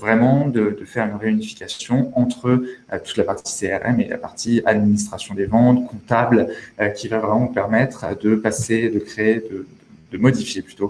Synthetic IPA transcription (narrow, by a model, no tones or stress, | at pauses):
vʁɛmɑ̃d̪əd̪əfɛʁynʁeynifi̥kʲasjɔ̃ɑ̃t̪χət̪u̥t̪lapaʁt̪i̥seɛʁɛ̰mḛla̰pa̰ʁt̪ia̰d̪minis̬t̪χasjɔ̃d̪evɑ̃t̪kʰɔ̃t̪ablkʲivavʁɛmɑ̃pɛʁmɛt̪χd̪əpased̪əkχeːd̪əəd̪əmɔd̪ifjeply̥t̪o